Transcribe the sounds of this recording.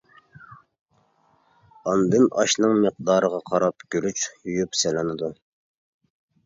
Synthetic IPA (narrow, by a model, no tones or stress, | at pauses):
ɑnd̪ɪnɑʃnɨŋməq̚d̪ɑːɾəʁɑqʰɑɾɑpɡʲyɾyt͡ʃjyjypsɛlɪnɨd̪u